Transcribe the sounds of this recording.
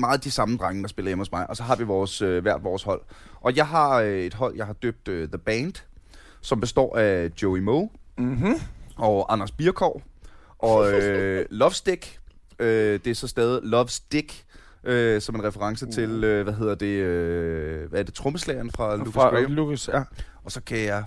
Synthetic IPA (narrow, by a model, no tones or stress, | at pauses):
mɑ̈ːð̩ˠd̥isɑ̈mn̩d̥ʁaŋəd̥ɑ̈sb̥e̝lɐjemho̽smɑ̈ɪʔɒ̽sɒ̽ɦɑ̈ʋiʋɒːsøʋæɐ̰d̥ʋɒːshɒ̽l̰ | ʔɒ̽jɑ̈ɪɦɑ̈øe̝d̥ɦɒ̽l̰jɑ̈ɪɦɑ̈d̥ø̰b̥̚d̥øðəb̥ænd̥ | sɒ̽mb̥e̝sd̥ɒ̰ːæd̥joimo | ɒ̽ʔɑ̈nɐsb̥iɐkʰɒ̰ː | ʔɒ̽ølɒ̽ʋsd̥eɡ̥ | ød̥e̝æɐsɒ̽sd̥ɛːð̞ˠilɒ̽ʋsd̥eɡ̥ | øsɒ̽me̝nʁɛfəʁɑ̈ŋsət͡sʰe̝løʋæɦe̝ð̰ˠɐd̥e̝ø | ʋæɐd̥e̝t͡sʰʁɔməslɛɪɐn̩fʁɑ̈lukʰsius | ɒ̽sɒ̽kʰæjɑɪ